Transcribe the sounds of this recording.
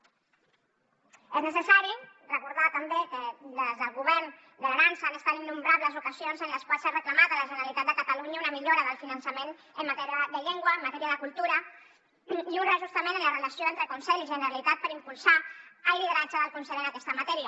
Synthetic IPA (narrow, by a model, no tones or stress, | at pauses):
eznəsəsaɾirəkuɾðat̪əmbekələzðəlˠɣuβ̞ɛrn | d̪əlaɾansəːnəst̪at̪inːumbɾaβləzukəzionzənləskwalsarəkləmat̪ələʒənəɾalit̪at̪̚d̪əkət̪əluɲəunəmiʎoɾəðəlˠfinənsəmen | əmmat̪ɛɾiəðəʎeŋɡwəːmːat̪ɛɾiəðəkulˠt̪uɾə | juɾaʒust̪əmẽnənlərələsjoent̪ɾəkunsɛʎiʒənəɾəlit̪at̪̚pəɾimpulˠsaəliðəɾat͡ʃəðəlˠkunsɛʎənəkɛst̪əmat̪ɛɾiə